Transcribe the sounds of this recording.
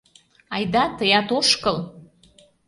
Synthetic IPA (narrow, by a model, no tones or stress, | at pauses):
ɑjd̪ɑt̪əjɑt̪oʃkɤl